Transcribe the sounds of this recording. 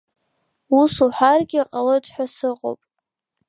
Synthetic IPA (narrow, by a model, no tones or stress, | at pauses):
usuħʷarɡʲɪaqʼalotʰħʷᶣasɨqʼo̰pʼ